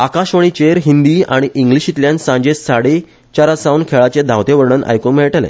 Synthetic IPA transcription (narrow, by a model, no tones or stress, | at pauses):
akaɕʋəɳ̃it͡ɕeɾɦind̪iːa̰ɽ̃iʔiŋɡliɕit̪ljãnsãɲd͡ʑesaɽe | t͡ɕaɾasawnkʰeɭat͡ɕẽd̪ʱawt̪eʋəɾɳəna̰jkõmeɭʈalḛ̃